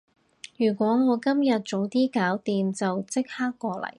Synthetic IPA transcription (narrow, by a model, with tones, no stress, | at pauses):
jyː˨˩kʷɔː˨˥ŋɔː˨˧kɐ˥mjɐ˨t̚t͡so˨˥wt̪iː˥kaː˨˥wt̪iː˨nt͡sɐ˨wt͡sɪ˥k̚haː˥kːɔː˧lɐ̰˨˩j